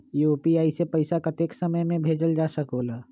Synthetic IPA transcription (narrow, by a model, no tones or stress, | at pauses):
juːpiaːisepɐɪsakɐt̪eːksɐməjmẽbʱeːd͡ʒəld͡ʒaːsɐkoːlaː